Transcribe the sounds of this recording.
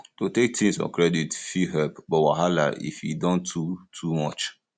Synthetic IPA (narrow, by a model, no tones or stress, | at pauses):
totek̚tʰĩŋsɔ̰̃nkʰɾɛditfiɦɛlpbɔwaɦala̰ʔḭfjidɔ̃ntʰːutʰumɔt͡ʃ